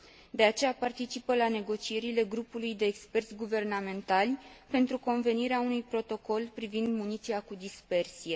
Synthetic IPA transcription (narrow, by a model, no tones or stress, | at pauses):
d̪e̞at͡ʃe̞japart̪it͡ʃipəlane̞ɡo̞t͡ʃie̞ɾile̞ɡɾupulujd̪e̞ːkspe̞rt̪sʲɡuve̞rname̞nt̪alʲpe̞nt̪ɾuko̞nve̞niɾeaunujpɾo̞t̪o̞ko̞lpɾivind̪munit̪siakud̪ispe̞rsije̞